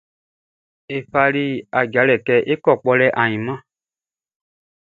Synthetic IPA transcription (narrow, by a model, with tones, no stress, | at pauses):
e˨fa˧li˦a˨ɡa˨˦lɛ˨kɛ˧ʔe˦kɔ˦˨k͡pɔ˧lɛ˦ʔã˨ɲĩ˨mã˦˨